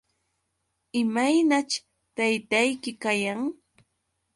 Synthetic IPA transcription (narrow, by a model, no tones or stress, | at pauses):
ɪmajnat͡ʃ | t̪ajt̪ajkɪkajaŋ